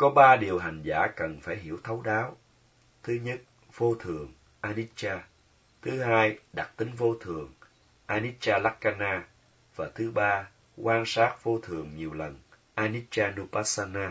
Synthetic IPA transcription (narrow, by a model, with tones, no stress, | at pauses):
kɔ˨˦ɓaː˧ɗi˨˩əwɦa˨˩ŋ̟za̰ː˧˩kə˨˩nfaː˧˩jɦḭ˧˩əwt̪ʰə˨˦wɗaː˨˦w | t̪ʰɨ˨˦ɲə˦˥t̚ | v̥o˧t̪ʰɨ˨˩əŋ | ʔaː˧ni˦˥t̚t͡ɕaː˧ | t̪ʰɨ˨˦haː˧jɗa˨˩t̚t̪ï˨˦ŋ̟vo˧t̪ʰɨ˨˩əŋ | ʔaː˧ni˦˥t̚t͡ɕaː˧la˦˥kkaː˧naː˧ | vaː˨˩t̪ʰɨ˨˦ɓaː˧ | kwaː˧nsaː˦˥t̚v̥o˧t̪ʰɨ˨˩əŋɲi˨˩əwlə˨˩n | ʔaː˧ni˦˥t̚t͡ɕaː˧nu˧paː˦˥saː˧naː˧